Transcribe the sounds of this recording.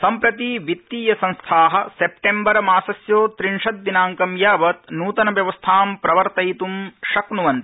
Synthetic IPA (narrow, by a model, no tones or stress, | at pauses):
sɐmpɾɐt̪iʋit̪ːiːjɐsɐ̃nst̪ʰaːɦɐ̆sepʈembɐɾɐmaːsɐsjoːt̪ɾiɳʂɐt̪̚ːinaːŋkɐmjaːʋɐt̪nuːt̪ɐnɐʋjɐʋɐst̪ʰaːmpɾɐʋɐɾt̪ɐjt̪umʃɐknuʋɐnt̪i̥